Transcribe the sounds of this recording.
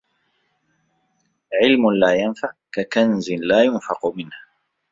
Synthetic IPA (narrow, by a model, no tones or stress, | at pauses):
ʕɪlmʊlaːjanfaʕkakanzɪnlaːjʊnfɑqʊmɪnha